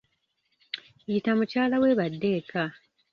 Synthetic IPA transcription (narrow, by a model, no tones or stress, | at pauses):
jitamucaːlaweβadːe̞ːka